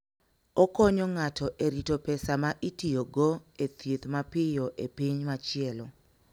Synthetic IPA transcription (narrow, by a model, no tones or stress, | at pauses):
ɔkɔɲɔŋatʰɔʔeɾitopɛsamaʔitioɡoet̪jet̪mapɪjɔʔepiɲmat͡ʃɪɛlɔ